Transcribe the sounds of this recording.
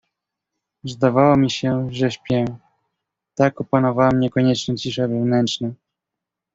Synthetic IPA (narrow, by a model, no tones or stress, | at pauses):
zd̪avawɔmʲiɕɛʐɛɕpʲjɛ | t̪akɔpanɔvawɛmɲɛkɔɲɛt͡ʂnɛt͡ɕiʂavɛvnɛnt͡ʂna